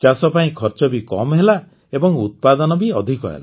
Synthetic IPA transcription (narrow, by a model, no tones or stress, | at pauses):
t͡ʃasɔpaĩkʰɔɾt͡ʃɔbikɔmɦela | ebɔŋut̪̚pad̪ɔnɔbiɔd̪ʱikɔ̰ɦḛla